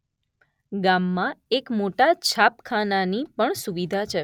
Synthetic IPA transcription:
ɡamːãekmoʈat͡ʃʰapkʰananipəɳsuʋid̪ʱat͡ʃʰe

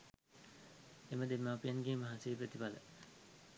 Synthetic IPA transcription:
eməd̪emːaːpijanɡeːməɦaseːpɾet̪ibalə

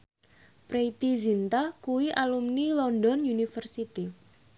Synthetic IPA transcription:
pɾeit̪izint̪ahkuwiʔalumnilɔnd̪ɔnjunifərsit̪i

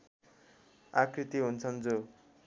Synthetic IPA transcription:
akrit̪iɦunt͡sʰʌnd͡zo

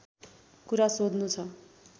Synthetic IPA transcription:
kuɾasod̪nut͡sʰʌ

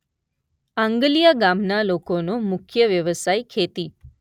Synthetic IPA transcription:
ãŋɡəlijaɡamnalokonomʊkʰjəʋjəʋəsajkʰet̪i

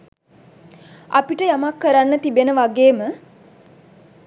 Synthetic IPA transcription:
a̰piʈəjamakːəɾanːət̪ibenəʋaɡeːmə

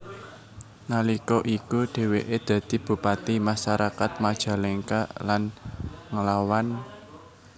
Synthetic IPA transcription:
nalikɔʔikuɖ̪̥e̤weʔed̪̥ä̤d̪̥i̤b̥ṳpat̪imaʃaɾakat̪̚mad̥ʒ̥a̤leŋkalanŋəlawan

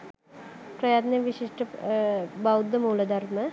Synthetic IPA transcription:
prɐjaːt̪neʋiɕiʂʈə | bɐwd̪ːəmuːlɐd̪ɐrmə

